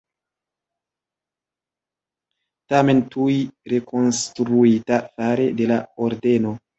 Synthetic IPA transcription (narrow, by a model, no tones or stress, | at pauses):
tame̞ntuiɾe̞kʰo̞nstɾuitafaɾe̞de̞laoɾde̞no̞